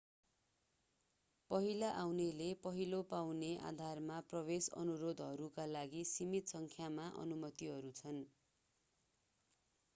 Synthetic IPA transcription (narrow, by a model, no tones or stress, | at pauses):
pʌɦilaʔawnelepʌɦilopawneʔa̰d̪ʱarmaprʌβesʌ̰nuɾod̪ʱɦʌɾukalaɡisimit̪sʌŋkʰjamaʔʌ̰numʌt̪iɦʌɾut͡sʰʌn